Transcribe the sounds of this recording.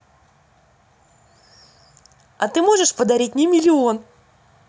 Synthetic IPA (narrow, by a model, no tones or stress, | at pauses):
ɐt̪ɨmo̞ʐɨʂpəd̪ɐɾʲit̚ʲnʲɪmʲɪlʲɪo̞n